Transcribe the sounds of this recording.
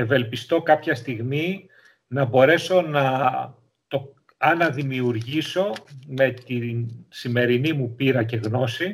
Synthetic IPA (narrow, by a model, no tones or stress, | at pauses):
e̞ve̞lpist̪o̞kɐpçɐst̪iɣmi | nɐbo̞ɾe̞so̞nɐ | t̪o̞ | ɐnɐðimiuɾʝiso̞me̞t̪insime̞ɾinimupiɾɐce̞ɣno̞si